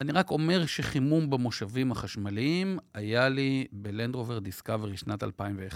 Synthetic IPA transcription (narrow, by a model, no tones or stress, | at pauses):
aniʁako̞me̞ʁʃeχimumbemo̞ʃavimhaχaʃmaliimajalibelend̪ʁoveʁd̪iskaveʁiʃnat̪a̰lpaimveχ